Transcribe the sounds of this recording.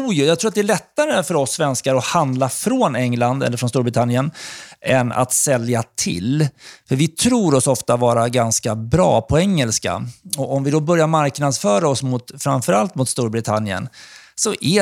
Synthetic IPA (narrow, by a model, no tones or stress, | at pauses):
jɵjaɡt̪ʰɾuːat̪̚d̪ɛæɭɛt̪ːaɾəfœɾɔsːvɛnskaɾɔhand̪lafɾonɛŋland̪ɛ̰lːəɾfɾɔnst̪uːɾbɾɪt̪ʰanːjənɛna̰t̪sɛljat̪ʰɪ̰lfœɾvɪt̪ʰɾuːɾɔsɔft̪avɑːɾaɡanskabɾɑ̰ːpʰɔɛŋːəlska̰ɔɔmvɪd̪ɔbœɾjaɾmaɾknad̪sfœːɾaɔsmʊt̪fɾamfœɾalt̪mʊt̪st̪uːɾbɾɪt̪ʰanjə̰nsɔʔɛ